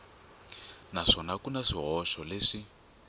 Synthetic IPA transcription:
naʂɔnakunaʂiɦɔʃɔleʂi

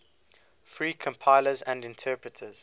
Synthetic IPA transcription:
fɹiːkʰə̃mpʰaɪləzə̃ndɪ̃ntʰɜːpɹətʰəz̥

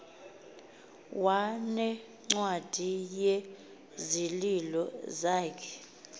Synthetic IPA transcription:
wanɛ | ŋ͡ǀwad̥ʱije | zililɔzaːkʰɛ̥

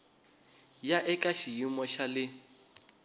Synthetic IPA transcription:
jaʔɛkʼaʃijimɔʃalɪ

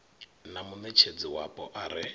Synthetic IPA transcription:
namumet͡ʃʰed͡ziwapʼɔʔaɾɪ

